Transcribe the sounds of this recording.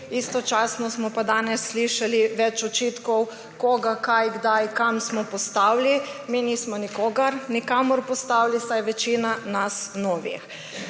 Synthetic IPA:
ist̪ɔt͡ʃaːsnɔsmɔpad̪aːnɛsːliʃaliʋɛt͡ʃɔt͡ʃiːt̪kɔw | kɔːɡakajɡd̪ajkamsmɔpɔst̪awliminiːsmɔnikɔːɡaɾnikaːmɔɾpɔst̪awlisajʋɛt͡ʃinanasnɔːʋḭx

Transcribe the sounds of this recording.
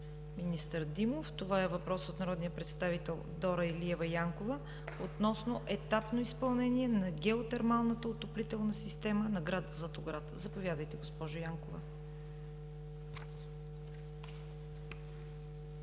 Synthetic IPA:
minist̪əɾd̪imoft̪ovaɛvɐpɾɔsot̪nɐɾɔd̪nijəpɾɛt̪st̪avit̪ɛlˠd̪ɔɾəiliɛvɐjaŋkovə | ot̪nɔsnoʔɛt̪apnoispɐlˠnɛnʲiɛnɐɡʲɛot̪ɛɾmalˠnət̪əot̪oplit̪ɛlˠnɐsist̪ɛmənɐɡɾad̪zət̪oɡɾat̪zɐpovʲjad̪əjt̪ɛɡospɔʒʊjaŋkovɐ̰

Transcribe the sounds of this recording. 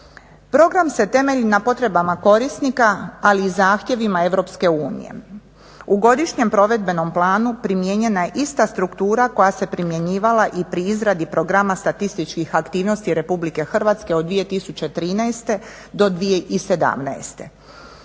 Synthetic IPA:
pɾo̞ɡɾamse̞t̪e̞me̞ʎinapo̞t̪ɾe̞bamako̞ɾisnikaːliːzaːxt̪je̞ʋimae̞ʋɾo̞pske̞uːnḭjḛ | uɡo̞d̪iʃɲe̞mpɾo̞ʋe̞d̪̚be̞no̞mplˠaːnupɾimje̞ɲe̞najeʔist̪ast̪ɾukt̪uːɾako̞jase̞pɾimje̞ɲiːʋalaʔipɾiizɾad̪ipɾoɡɾamast̪at̪ist̪it͡ʃkixakt̪iːʋno̞st̪iɾe̞publike̞xr̩ʋaːt̪ske̞od̪ʋije̞t̪isut͡ɕe̞t̪ɾiːnaest̪e̞ | d̪o̞d̪ʋije̞ʔise̞d̪a̰mna̰est̪e̞

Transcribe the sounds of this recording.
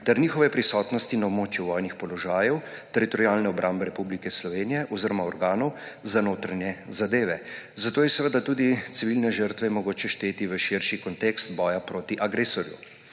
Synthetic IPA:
t̪ɛɾniːxɔʋɛpɾisɔːt̪nɔst̪inɔwmoːt͡ʃjuʋɔjnixpɔlɔʒaːjɛwt̪ɛɾit̪ɔɾiaːlnɛɔbɾʔaːmbɛɾɛpublikɛslɔʋeːnijɛʔɔziɾɔmaɔɾɡaːnɔwzanoːt̪ɾanjɛzad̪eːʋɛzat̪oːjɛsɛʋəd̪at̪uːd̪it̪siʋilnɛʒəɾt̪ʋɛmɔɡoːt͡ʃɛʃt̪eːt̪iʋəʃiɾʃikɔnt̪ekst̪̚bɔːjapɾoːt̪iʔaɡɾesɔɾjṵ

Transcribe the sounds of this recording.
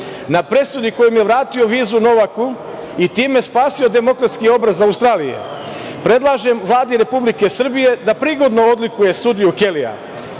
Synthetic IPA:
napɾe̞sud̪iko̞jomje̞ʋɾaːt̪io̞ʋiːzuno̞ʋaku | it̪iːme̞spaːsio̞d̪e̞mo̞kɾat̪skio̞bɾazaust̪ɾaːlije̞̰ | pɾe̞d̪lˠaːʒemʋlˠaːd̪iɾe̞publike̞sr̩bije̞d̪apɾiɡo̞d̪no̞od̪likuje̞sud̪iuke̞lia̰

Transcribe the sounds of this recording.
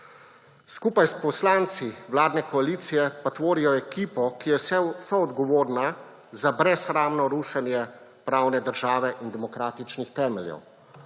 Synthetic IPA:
skupajspɔslaːnt̪siwlaːd̪nɛkɔaliːt̪sijɛpat̪ʋoːɾijɔɛkiːpɔkijɛssɔɔd̪ɡɔʋoːɾna | zabɾɛsɾaːmnɔɾuːʃɛnjɛpɾaːwnɛd̪əɾʒaːʋɛʔind̪ɛmɔkɾaːt̪it͡ʃnixt̪ɛːmɛljɛ̰w

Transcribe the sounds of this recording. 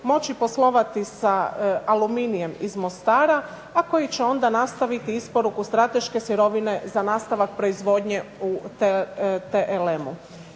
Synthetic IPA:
mo̞t͡ɕipo̞slˠo̞ʋat̪isaaluminije̞mizmo̞st̪aːɾaː | ko̞jit͡ɕeo̞nd̪anast̪aʋit̪iispo̞ɾukust̪ɾat̪e̞ʃke̞sjiɾo̞ʋine̞zanaːst̪aʋak̚pɾo̞izʋo̞d̪ɲe̞u | t̪eʔelemu

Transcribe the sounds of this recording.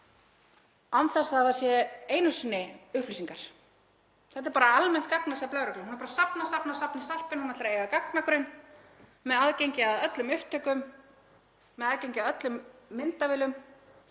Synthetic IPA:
awnθɛsːaaθasjɛeːjnʏsnːɪʏhplisiŋkaɾ̥ | θɛt̪ɛɾpaɾaalmɛn̥t̪kaknasɛplaːwɾʏklʏmhunaɾpaɾasapnasapnasapnɪsal̥pɪnhunat̪ɾaejɣakaknakɾʏn | mɛðaðcejɲcɪaðœt̪lʏmʏht̪œkʏm | ɛðaðcejɲcɪaðœt̪lʏmːɪnt̪avɪːlʏm

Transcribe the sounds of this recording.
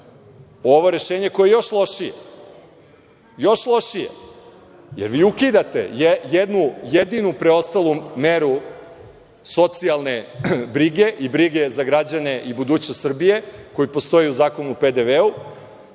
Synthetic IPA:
o̞ʋo̞ɾe̞ʃeːɲe̞ko̞jejo̞ʃlˠo̞ʃije | jo̞ʃlˠo̞ʃijḛ | jeɾʋiːukid̪at̪ḛjejed̪nujed̪inupɾeo̞st̪alˠumeɾu | so̞t̪sialˠne̞bɾiɡeʔibɾiɡe̞zaɡɾad͡ʑane̞ʔibud̪uːt͡ɕnost̪sr̩bijeko̞jipo̞st̪o̞jiuzaːkonuped̪eʋeu

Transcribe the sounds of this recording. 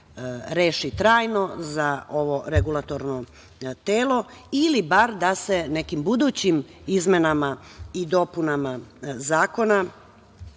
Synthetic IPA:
ɾeːʃit̪ɾaːjno̞zao̞ʋo̞ɾeɡulˠat̪o̞ɾno | t̪eːlˠo̞ilibaɾd̪ase̞ne̞kimbud̪uːt͡ɕimizmenamaid̪o̞punamazaːko̞na

